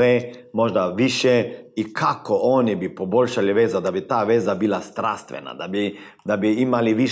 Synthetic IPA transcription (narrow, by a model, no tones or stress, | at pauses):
e | mo̞ʒd̪aʋiʃeikʰakooːnibipoboʎʃaliʋezad̪abit̪aːʋezabilast̪ɾast̪ʋḛna̰d̪abi | d̪abiimaliʋi